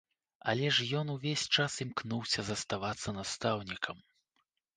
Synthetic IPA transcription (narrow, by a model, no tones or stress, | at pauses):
ɐ̰lʲɛʂjɔnuvʲesʲt͡ʂasimknuwsʲɐzɐst̪avat̪sːɐnast̪awnʲikʰɐm